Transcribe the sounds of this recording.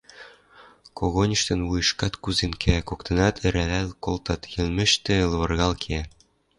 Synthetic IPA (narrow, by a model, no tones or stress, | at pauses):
koɣonʲĭʃt̪ɤ̆nwujɤ̆ʃkɑt̪kuzenkʰækokt̪ɤ̆nɑt̪ʰɘ̆ɾælælkolˠt̪ɑt̪jɘ̆lmɘ̆ʃt̪ĕlβɤ̆rɣɑlkʰe